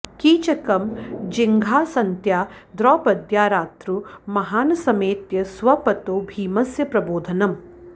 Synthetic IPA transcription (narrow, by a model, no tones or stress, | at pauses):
kiːt͡ʃɐkɐmd͡ʒiŋɡʱaːsɐnt̪jaːd̪ɾɔːpɐd̪jaːɾaːt̪ɾumɐɦaːnɐsɐmeːt̪jɐsʋɐpɐt̪oːbʱiːmɐsjɐpɾɐboːd̪ʱɐnɐm